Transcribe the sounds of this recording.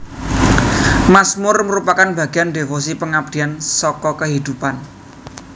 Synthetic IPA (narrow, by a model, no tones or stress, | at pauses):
masmʊrməɾupakanbä̤ɡ̥e̤ande̤fosipəŋab̚d̪̥i̤ansɔkɔkəɦid̪̥upan